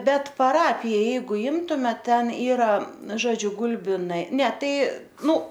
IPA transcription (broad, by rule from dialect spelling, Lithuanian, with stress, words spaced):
ˈbʲɛt pɐˈrɑːpʲɪjɛ ˈjɛɪɡʊ ˈɪmtʊmʲɛ ˈtʲɛn ˈiːrɐ ˈʒoːd͡ʒʲʊ ˈɡʊlʲbʲɪnɐɪ nʲɛ ˈtɐɪ ˈnʊ